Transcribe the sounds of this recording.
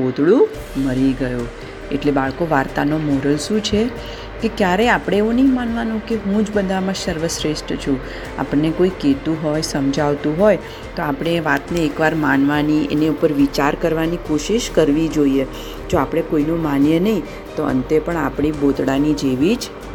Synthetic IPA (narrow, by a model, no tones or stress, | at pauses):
od̪ɽũ | məɾiɡəju | eʈlebaɭkoʋaɾt̪anomɔɾəlʃũt͡ʃʰe | kekjaɾeapɽ̃eːʋunəɦĩmanʋanũkeɦũd͡ʒbəd̪ʱamãsəɾʋəsɾeʃʈt͡ʃʰũ | a̰pəɳnekoiket̪ũɦojsəmd͡ʒʱaʋt̪ũɦoj | t̪oapɽ̃eʋat̪neːkʋaɾmanʋaniḛneupəɾʋit͡ʃaɾkəɾʋanikoʃiʃkəɾʋid͡ʒoie | d͡ʒoapɽ̃ekoinomanjənəɦĩ | t̪oə̰nt̪epəɳa̰pɳ̃ibot̪ɽanid͡ʒeʋid͡ʒ